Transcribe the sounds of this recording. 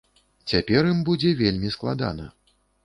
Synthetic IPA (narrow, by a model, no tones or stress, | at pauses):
t͡sʲapʲɛrjimbud͡zʲɛvʲelʲmʲisklˠa̰d̪a̰nɐ